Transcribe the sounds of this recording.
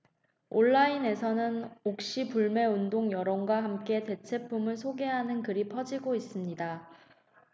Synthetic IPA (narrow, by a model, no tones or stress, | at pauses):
oɭːaine̞sʰʌnɯnok̚ɕ͈ipuɭme̞undoŋjʌɾʌŋɡwaɦamk͈e̞te̞t͡ɕʰe̞pʰumɯɭsʰoɡe̞ɦanɯnkɯɾipʰʌd͡ʑiɡois͈ɯmɲida